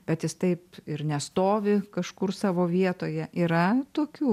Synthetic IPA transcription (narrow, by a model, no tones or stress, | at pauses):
b̥ʲɛt̪jɪst̪ɐɪpɪɾnʲɛst̪oːʋʲɪkɐʃkʊrsɑːʋoːʋʲiɛt̪oːjɛʔiɾɐt̪oːkʲuː